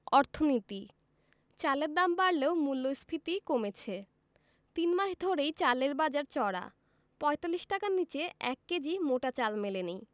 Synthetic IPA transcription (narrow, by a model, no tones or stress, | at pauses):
ɔɾt̪ʰonit̪i | t͡ɕaleɾd̪ambaɽleomulːojsbʰʱit̪ikomet͡ɕʰe | t̪inmaʃd̪ʱoɾejt͡ɕaleɾbad͡ʑaɾt͡ɕɔɽa̰ | pɔet̪alːiʃʈakaɾnit͡ɕeɛkːed͡ʑimoʈat͡ɕalmeleni